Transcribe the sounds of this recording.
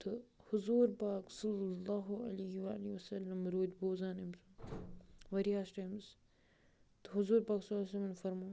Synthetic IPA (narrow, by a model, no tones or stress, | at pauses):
t̪ʰɨhʊzuːɾpaːksɐlːɐlːaːɦuɐ̰leɦiʋa̰ːliʋɐsɐlːɐmɾoːd̪boːzaːnimzu | ʋɐɾijaːsʈaːmz | t̪ɨɦʊzuːɾpaːksɐlːsɐlɐnfɐɾmaː